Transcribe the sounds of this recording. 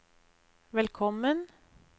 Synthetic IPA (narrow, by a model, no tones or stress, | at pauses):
ʋɛlkʰɔmən